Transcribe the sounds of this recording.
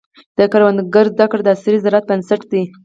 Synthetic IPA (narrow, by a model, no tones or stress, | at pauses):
d̪̥əkaɾwand̪ɡaɾzd̪akɽd̪əasɾizaɾat̪̚bənsaʈd̪i